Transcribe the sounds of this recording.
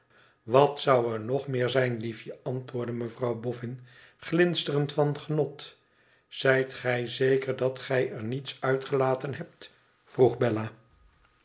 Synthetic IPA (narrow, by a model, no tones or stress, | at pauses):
ʋɑtsɑwɛɹnɔχmɪːɹzɛjnlifjəʔɑntʋʊːɹdəməvrɑwbɔfɪn | χlɪnstərəntfɑnχənɔt | z̥ɛjtχɛjzejkəɹdɑtχɛjɛɹnitsœɥtχəlaːtənɦɛp̚t | v̥ruχbɛlaː